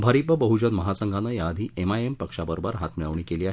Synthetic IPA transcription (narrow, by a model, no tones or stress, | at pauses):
bʱaɾipəbəɦud͡ʑənməɦasəŋɡʱanəjaːd̪ʱiːʔemaempəkʂabəɾobəɾɦat̪miɭəʋɳiːkeliːaɦ